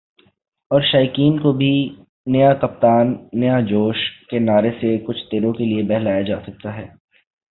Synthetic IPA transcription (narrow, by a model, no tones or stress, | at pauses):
ɔːɾʃaːjkiːnkobʱi | nɐjakɐp̚t̪aːnːɐjad͡ʒoːʃkenaːɾesekʊt͡ʃʰt̪eːɾõkeliebɛɦlaːjad͡ʒaːsɐk̚t̪aɦɛː